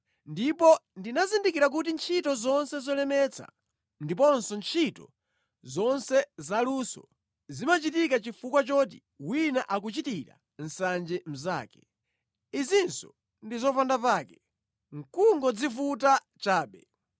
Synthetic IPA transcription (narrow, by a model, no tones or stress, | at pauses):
ndipɔndinazindikiɾak̬utint͡ʃʰitɔzɔnsɛzɔlɛmɛt͡sʰa̰ | ndip̬ɔnsɔnt͡ʃʰitɔ̰ | zɔnsɛzalusɔ̰ | zimat͡ʃitikat͡ʃifukwat͡ʃɔt̬i | winaʔak̬ut͡ʃitiɾa̰ | n̩sand͡ʒɛm̩za̰ːkɛ̥ | izinsɔ̰ | ndizɔfandapaːkɛ̥ | ŋ̩kuŋɡɔd͡zifuta | t͡ʃaːɓɛ